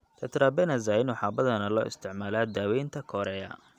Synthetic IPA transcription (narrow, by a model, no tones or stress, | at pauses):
t̪ʰɐt̪ʰɾabɛnɐzaːɪnwħɑːbɐðɐnɐlɔ̰ːʔɪ̰st̪ʰɪʕmaːlaːd̪aːwɛjnt̪ʰɐkʰɔɾɛjɐ̰